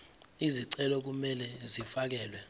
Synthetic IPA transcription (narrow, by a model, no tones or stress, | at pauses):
iziǀɛlɔk̬umɛlɛzifak̬ɛːlwɛ